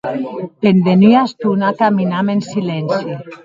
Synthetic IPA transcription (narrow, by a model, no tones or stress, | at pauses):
pend̪enyast̪unakaminamensilɛnsi